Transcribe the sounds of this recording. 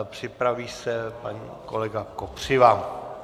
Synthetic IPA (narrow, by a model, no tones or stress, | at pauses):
pr̝̥ɪpɾaviːsɛpaɲḭːkolɛɡakopr̝̥ɪva